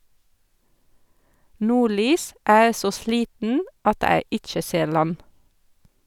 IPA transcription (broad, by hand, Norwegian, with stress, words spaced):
ˈnuːˌɭyːs ˈʔæː ˈeː ˈsoː ˈʃliːtn̩ʔ ˈɑt ˈæː ˈɪt͡ʃə ˈseːɹ ˈlɑn